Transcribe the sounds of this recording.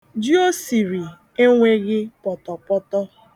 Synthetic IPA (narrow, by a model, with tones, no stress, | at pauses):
d͡ʒi˦o˦si˨ɾi˨ | e˦ŋʷe˦ɣɪ˦pɔ˨tɔ˨pɔ˦tɔ˦